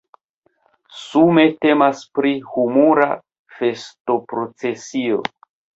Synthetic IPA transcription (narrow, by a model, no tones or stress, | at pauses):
sume̞te̞maspɾihumuɾa | fe̞sto̞pɾo̞t͡se̞sio̞̰